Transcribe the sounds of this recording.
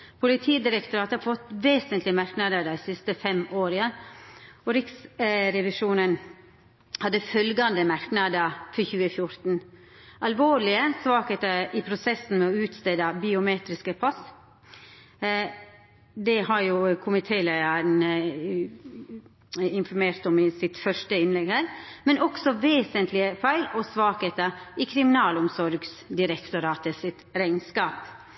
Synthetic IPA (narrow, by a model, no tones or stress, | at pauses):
pʰʊlɪt̪ʰiːd̪ɪɾəkt̪ɔɾɑːt̪əɑfɔt̪ːʋeːsənt̪lɪmæɾknɑd̪əɾd̪æɪsɪst̪əfɛmoːɾɪə | ɔɾɪksɾɛʋɪʂuːnən | hɑd̪ːəfœlɡɑnd̪əmæɾknɑd̪əɾfɔɾçʉːəfjʊɾt̪n̩ | ʔɑlʋoːɭɪəsʋɑːkət̪əʔɪpʰɾʊsɛsn̩mɛɔʉːt̪st̪eːd̪ɑbɪʊmeːt̪ɾɪskəpʰɑs | d̪ɛhɑɾjʊkʰʊmɪt̪ʰeːlæɪəɾn | ɪnfɔɾmeːɾt̪ɔmɪsɪt̪fœʂʈəɪnlɛɡhæːɾmɛnʔɔksɔʋeːsənt̪lɪəfæɪlɔsʋɑːkheːt̪əʔɪkʰɾɪmɪnɑːlʊmsɔɾɡsd̪ɪɾɛkt̪ʊɾɑːt̪əsɪt̪ɾæɪnskɑːp